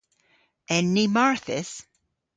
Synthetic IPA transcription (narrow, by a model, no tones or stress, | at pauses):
ɛ̃nːimaɹθɪs